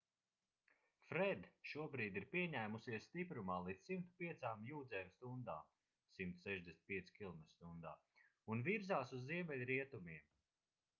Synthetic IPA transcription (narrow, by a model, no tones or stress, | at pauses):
fɾɛd̪ʃuɔbɾiːd̪iɾpiɛɲæːmusiɛsst̪ipɾumaːlˠiːt̪ssimt̪u̥piɛt̪saːmjuːd̪zɛːmst̪und̪a̰ːm | simt̪u̥sɛʒd̪ʲɛsnt̪piɛskʲilˠmɛst̪und̪aː | unviɾzaːsuzːiɛmɛlʲɾiɛt̪umiɛm